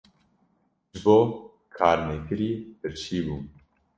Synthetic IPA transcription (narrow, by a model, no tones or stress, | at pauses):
ʒboː | kʰaːɾmekʰɨɾiːpɨɾt͡ʃʰiːbuː